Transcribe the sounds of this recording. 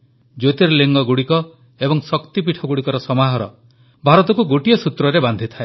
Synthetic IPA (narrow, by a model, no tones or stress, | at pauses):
d͡ʒot̪iɾɔleŋɡɔɡuɽikɔ | ebɔŋsɔkt̪ipiʈʰɔɡuɽikɔɾɔsɔmaɦɔɾɔ̰ | bʱaɾɔt̪ɔkuɡoʈijɔsut̪ɾɔɾeband̪ʱit̪ʰae